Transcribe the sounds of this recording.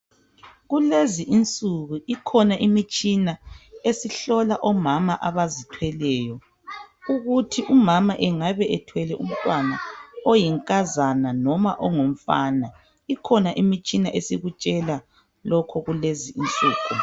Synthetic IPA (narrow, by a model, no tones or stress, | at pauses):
ɣuleziʔint͡sʼuɣuʔikʰɔnaʔimit͡ʃʼinaesiɬɔlaʔɔmamaʔaβazitʰwɛlɛːjɔ | uɣutʰiʔumamaʔɛŋaβɛʔɛtʰwɛlɛʔum̩tʼwanaɔjiŋkʼazananɔma̰ʔɔŋom̩fana | ikʰɔnaʔimit͡ʃʼinaʔesiɣut͡ʃʼɛla | lɔkʰɔɣuleziint͡sʼuːɣʰu